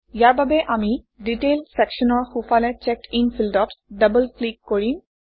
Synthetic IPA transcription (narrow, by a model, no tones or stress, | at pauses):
jaɹbabeʔami | ɖiʈelɖsɛkʃɔnɔɹxufalet͡ɕɛkinfilɖɔʈɖəbəlklikːoɹin